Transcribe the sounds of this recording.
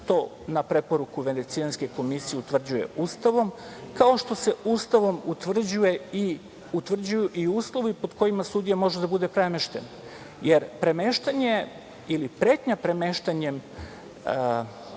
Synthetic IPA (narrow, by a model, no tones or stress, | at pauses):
t̪o̞ | napɾe̞po̞ɾukuʋe̞ne̞t̪sianske̞ko̞misijeut̪ʋr̩d͡ʑuje̞̰uːst̪aʋo̞mkao̞ʃt̪o̞se̞ust̪aʋo̞mut̪ʋr̩d͡ʑuje̞i | ut̪ʋr̩d͡ʑujuʔiuːslˠo̞ʋipo̞d̪ko̞jimasud̪ijamo̞ʒed̪abud̪e̞pɾemeʃt̪e̞̰n | jeɾpɾe̞me̞ʃt̪aɲe̞ | ilipɾeːt̪ɲapɾeme̞ʃt̪aɲe̞m